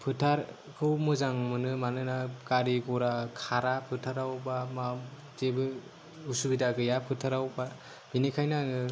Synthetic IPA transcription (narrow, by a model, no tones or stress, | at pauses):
pʰɯtʰaɾ | kʰɯwmɯzaŋmɯnɯmanɯnakaɾiɡɔɾakʰaɾapʰɯtʰaɾawbama | zebɯ | usubidaɡɯjapʰɯtʰaɾawba | b̥inikʰajnaŋɯ